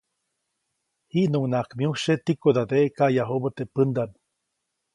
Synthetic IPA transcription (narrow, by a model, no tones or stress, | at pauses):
hiʔnuŋnakmjuʃet̪ikod̪ad̪eʔekaʔjaɦobət̪epɨnd̪an